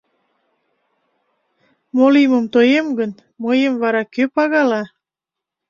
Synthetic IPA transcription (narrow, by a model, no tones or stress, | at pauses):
moliməmt̪ojemɡən | məjəmvɑɾɑkøpɑɣɑlɑ